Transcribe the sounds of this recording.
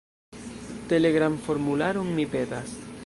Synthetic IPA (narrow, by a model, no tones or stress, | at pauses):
te̞le̞ɡɾamfo̞ɾmulaɾonmipe̞das